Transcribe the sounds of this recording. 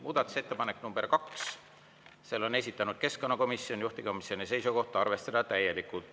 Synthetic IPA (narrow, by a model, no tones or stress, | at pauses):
muːd̪̥ɑt̪ːˑu̥se̞t̪ːepɑnekːnumb̥e̞rkɑks | selːo̞ne̞s̬ʲit̪ːˑɑnud̪̥̚ke̞skonːɑko̞misːio̞njuht̪iko̞misjo̞nise̞jsuko̞ht̪ˑɑɑrve̞st̪ɑd̪̥ɑt̪æje̞likːˑut̪